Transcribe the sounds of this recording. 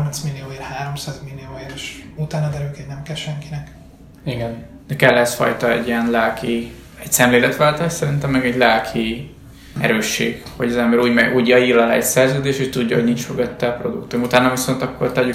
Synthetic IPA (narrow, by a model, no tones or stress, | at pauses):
ɔrmɛnsmilːioːerhaːɾo̞msaːzmilːioːeɾʃut̪aːnɒd̪ɛɾyølkɛɟnɛmkɛlʃɛŋkinɛk | iɡɛn | d̪̥ɛkɛlːɛsfɒ̰jt̪ɒɛ̰ɟːiɛnlaːki | ɛcsɛmleːlɛt̪ʋaːlt̪aːʃsɛɾint̪ɛmːɛɡɛɟlaːkʰi | ɛ̰ɾøːʃːḛːɡho̞ɟɒzɛmbɛɾuːɟmɛɟuːɟɒiːɾɒla̰ːɛcsɛrzøːd̪eːʃuːc̚t̪uɟːɒɦo̞ɟniɲt͡ʃfoɡøt̪ːɛɒpro̞d̪ukt̪umut̪aːnɒviso̞nt̪ɒkːo̞̰rt̪ɛɟy